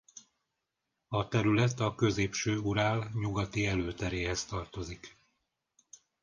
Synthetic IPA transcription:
ɒt̪ɛɾylɛt̪ɒkø̞zeːpʃøːuɾaːlɲuɡɒt̪iɛløːt̪ɛɾeːɦɛst̪ɒrt̪o̞zik

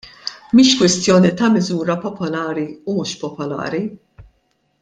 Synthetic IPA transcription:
miːʃkwɪst̪jɔːnit̪ɐmɪzuːɾɐpɔpɔlɐːɾiumuːʃpɔpɔlɐ̰ːɾi

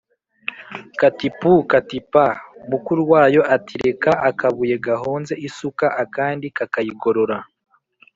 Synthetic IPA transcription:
katipukatipaumukuɾuwaːjo̞ʔatiɾe̞kaʔakaβuje̞ɡaɦo̞ːnze̞ʔisukaʔakaːndikakajiɡo̞ɾo̞ɾa

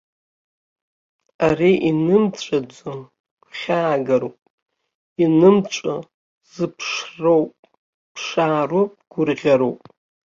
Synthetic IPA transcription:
ariʔinɨmt͡ɕʷʼad͡zʷo̥ | χʲaːɡaɾopʼ | inɨmt͡ʃʷʼa | z̥ɨpʰʂrowpʼ | pʰʂaːropʼɡ̥ʊrʁʲaɾowpʼ

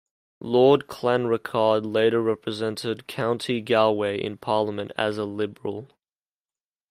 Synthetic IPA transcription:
lɔːd̚kʰl̥æ̃nɹəkʰɑːdˡleɪɾəɹɛpɹəzɛ̃ntʰɪd̚kʰãʊ̃ntʰiɡælˠweɪʔɪ̰̃npʰɑːˑlˠəmə̃ntə̰zəlɪbəɹəl̩ˠ

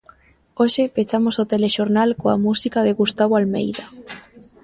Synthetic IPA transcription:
oʃepet͡ʃamosot̪eleʃoɾnalkoa̰musikaðeɣust̪aβoalmḛjða

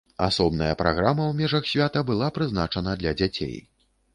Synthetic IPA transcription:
a̰sɔbnɐjɐpɾa̰ɣɾamɐwmʲɛʐɐxsʲvʲat̪ɐbɨlˠapɾɨznat͡ʂɐnɐd̪lʲɐd͡zʲat͡sʲḛj

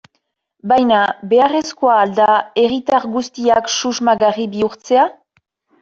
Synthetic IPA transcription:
bajnabe̞are̞skoaːld̪ae̞ɣit̪aɾɡust̪iaksuzmaɣaribiuɾt͡se̞a

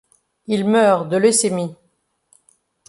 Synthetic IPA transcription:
ilmœʁd̪əlesemi

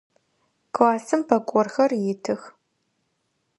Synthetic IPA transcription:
kaːsɨmpʰɐkʷʼɔrxɐrjɪtʰɨx

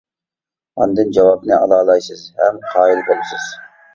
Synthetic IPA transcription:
ɑ̰nd̪ɨnd͡ʒɑwɑbnɪɑlˠɑːlˠɑjsɨzhɛmqʰɑːilˠbelɪsɪz̥

